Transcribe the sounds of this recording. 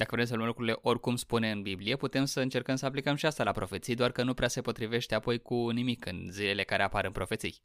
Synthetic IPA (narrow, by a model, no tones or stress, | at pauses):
d̪akəvɾe̞ms̬əlumlukɾuɾile̞ʔo̞rʲkumspune̞ɨnbiblije̞put̪e̞msəɨnt͡ʃe̞rkəmsəaplikəmʃiast̪alapɾo̞fe̞t̪sijd̪oarkənupɾease̞po̞t̪ɾive̞ʃt̪e̞apo̞jkunimikɨnzile̞le̞kaɾe̞apaɾɨnpɾo̞fe̞t̪sḭj